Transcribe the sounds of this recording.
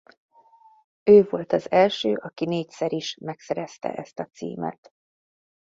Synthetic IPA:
øːvo̞lt̪ɒzɛlʃøːʔɒkineːcsɛɾiʃmɛksɛɾɛst̪ɛ̰ʔɛst̪ɒt̪sḭːmɛ̰t̪

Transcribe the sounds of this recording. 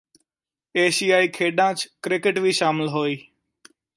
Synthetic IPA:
eːsiːaːiːkʰeːɗãːt͡ʃkɾɪkɪʈʋiːʃaːmɪlɦoːiː

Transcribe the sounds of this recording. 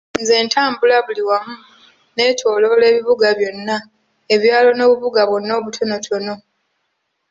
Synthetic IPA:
nze̞ːntaːmbulaβuliwamu | ne̞ːtʰo̞ːlo̞le̞ːβiβuɡaβjo̞nːa | eβjaːlo̞no̞ːβuβuɡaβwonːo̞ːβutʰono̞tono̞

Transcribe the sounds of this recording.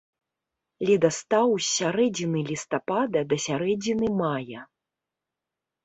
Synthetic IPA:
lʲid̪ɐst̪awsʲaɾɛd͡zʲinɨlʲist̪apad̪ɐd̪ɐsʲaɾɛd͡zʲinɨmajɐ

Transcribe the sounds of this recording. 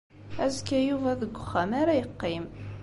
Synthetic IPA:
æzkæjuvæðəɡʷːʊχːæmaɾæjəqːim

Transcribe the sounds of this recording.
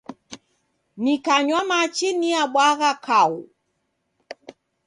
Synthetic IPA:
nikaɲwamat͡ʃiniaɓwaɣakʰau

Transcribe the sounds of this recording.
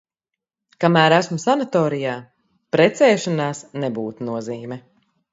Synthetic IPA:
kamæːɾæsmusanat̪ɔːɾijaː | pɾɛt̪sɛːʃanaːsnɛbuːt̪nuɔziːmɛ

